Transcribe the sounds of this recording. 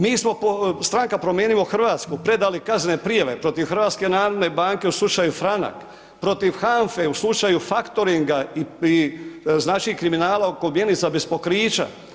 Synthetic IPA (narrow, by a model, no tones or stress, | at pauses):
miːsmo̞post̪ɾaŋkapɾo̞mjeːnimoxr̩ʋaːt̪skupɾe̞d̪alikazne̞pɾijaʋe̞pɾo̞t̪iʋxr̩ʋaːt̪ske̞naːɾod̪ne̞baːŋke̞uslut͡ʃajufɾana̰k | pɾo̞t̪iʋxaɱfeuslˠut͡ʃajufakt̪oɾiŋɡaiiznaːt͡ʃiikɾiminaːlaokomjenit̪sabespo̞kɾiːt͡ʃa̰